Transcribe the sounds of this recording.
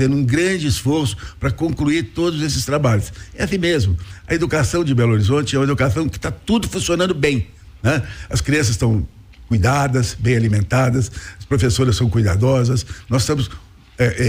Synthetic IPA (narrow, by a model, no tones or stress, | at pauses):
ẽnd̪ʊũɡɾɐ̃d͡ʒɪsfoɾsʊ̥pɾɐkõŋkluiɾt̪od̪ʊzesɪ̥st̪ɾabaʎʊsɛasĩmezmʊɐed̪ukasɐ̃w̃d͡ʒɪbɛloɾizõnt͡ʃɪɛumed̪ukasɐ̃w̃kɪ̥t̪at̪ud̪ʊfũsiõnɐ̃nd̪ʊbẽj̃ | nɛɐskɾiɐ̃sɐst̪ɐ̃w̃ | kujd̪ad̪ɐsbẽj̃alimẽnt̪ad̪ɐsɐspɾofesoɾɐssɐ̃w̃kujd̪a̰d̪ɔzɐsnɔsst̪ɐ̃mʊs | ɛʔɛ